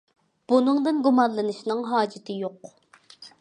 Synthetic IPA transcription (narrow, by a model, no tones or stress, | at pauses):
b̥unɨŋd̪ɨnɡumɑnlˠɨnɨʃnɨŋɦɑːd͡ʒɪt̪ʰɨjoq